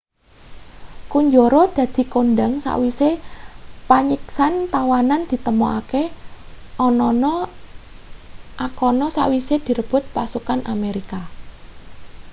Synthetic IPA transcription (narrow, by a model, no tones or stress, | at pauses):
kuɲd͡ʒoɾod̪̥ä̤d̪̥i̤konɖəŋsa̰ʔwise | paɲiksant̪awanand̪̥i̤t̪əmoake | ɔnɔnɔ | ʔakɔnɔsa̰ʔwised̪̥i̤ɾəb̥ʊ̤t̪̚pasukanʔameɾika